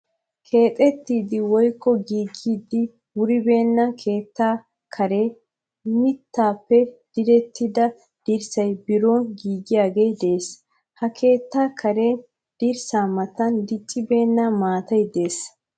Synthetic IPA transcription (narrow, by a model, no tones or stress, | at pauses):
kʰe̞ːt̪ʼɛt̪ːiːd̪ɪwɔjkːɔɡiːɡiːd̪ɪ | wʊɾɪbe̞ːnːɐkʰe̞ːt̪ːaː | kʰɐɾeː | mɪt̪ːaːpːɛd̪̥ɪd̪ɛt̪ːɪd̪ɐ | d̪̥iɾsɐjbɪɾoːnɡiːɡɪjaːɡe̞ːd̪eːs | hɐkʰe̞ːt̪ːaːkʰɐɾeː | d̪̥iɾsaːmɐt̪ːɐnd̪ɪt͡ʃʼːɪbe̞ːnːɐmaːt̪ɐjd̪e̞ːs